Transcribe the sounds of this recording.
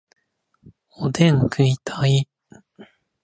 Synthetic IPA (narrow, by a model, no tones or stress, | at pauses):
od̪ẽŋkɯit̪ʰai